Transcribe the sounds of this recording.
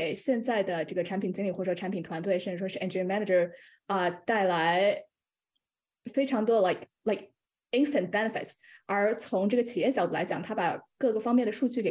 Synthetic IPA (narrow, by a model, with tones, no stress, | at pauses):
e˨˩ɪɕjɛ˥˧nt͡sa˥˩ɪd̪ə˩ʈ͡ʂɤ˥˩ɡə˩a˧˥npʰi˨˩nt͡ɕi˥ŋli˨˩xwɔ˥˩ɔ˥ʈ͡ʂʰa˧˥npʰi˨˩nt̪ʰwa˧˥nt̪we˥˧ɪʂə˥˧nʈ͡ʂɻ̩˥˩ʂwɔ˥ʂ̩˥˩ʔɛ˥˩nʈ͡ʂmæ˥na˥˩ə˞˨˧ | ə˧t̪a˥˩ɪla˧˥ɪ | fe˥ɪʈ͡ʂʰɑ˧˥ŋt̪̬wɔ˥la˥˩ɪkla˥˩ɪk̚ | i˥nst̪ə˥˩nt̚bɛ˥nə˩fɪ̰˨˩ts | ə˞˧˥t͡sʰʊ˧˥ŋʈ͡ʂɤ˥˩ɡə˩t͡ɕʰi˨˩jɛ˥˩ɕjɑ˧˩ʊt̪u˥˩la˧˥ɪt͡ɕjɑ˨˩ŋt̪ʰa˥pa˨˩kɤ˥˩ɡə˩fɑ˥ŋmjɛ˥˩nd̪ə˩ʂu˥˧t͡ɕy˥˩ke˨˩